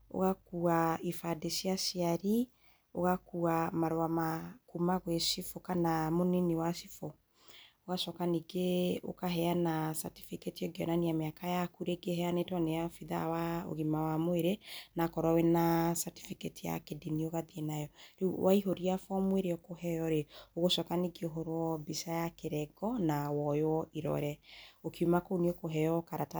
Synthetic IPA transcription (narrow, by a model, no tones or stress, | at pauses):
o̰ɣakuaifadesjaʃiaɾi | o̰ɣakuamaɾoamakumaɣwesifokanamoniniwaʃifɔ | oɣaʃɔkaniɡeo̰kaɦɛanasa̰ti̥fiketiɔɡeɔ̰naniameakajakuɾeɡeɦɛanetɔnejafiða̰wao̰ɣimawamoeɾenakɔɾɔwenasati̥fiketija̰kedinioɣaðienajɔɾewaiɦoɾiafɔmweɾeɔkohɛjɔɾeoɣoʃɔkaniɡeoɦoɾwɔbisajakeɾɛɡɔnawɔjwɔiɾɔ̰ɾɛokiumakoniokoɦɛjɔkaɾata